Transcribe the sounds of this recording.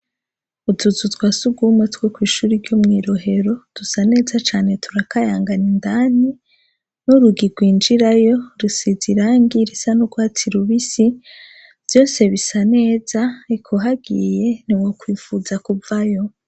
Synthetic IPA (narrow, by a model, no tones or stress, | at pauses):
utuzutwasuɡumwetwekwiːʃuːɾiɾɟomŋiːɾo̞ɦe̞ɾo̞d̥usane̞ːzat͡ʃaːne̞tʰuɾakajaːŋɡanindaːni | nuɾuɡiɡwiːnd͡ʒiɾajo̞ɾusiziɾaːŋɡiɾisanuɡwaːtiɾuβisi | v̥jo̞ːse̞βisane̞ːz̥aikʰoɦaɡije̞n̥iwokwiːfuzakuvajo̞